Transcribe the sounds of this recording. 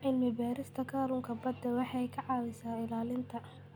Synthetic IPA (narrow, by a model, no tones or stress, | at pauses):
ʔɪnmɪbaːɾɪst̪ʰɐkʰɐɾʊŋkʰɐbɐd̪ɛwɑħɑjkʰɐʕɑːwɛjsaːɪlaːlɪnt̪ʰɐ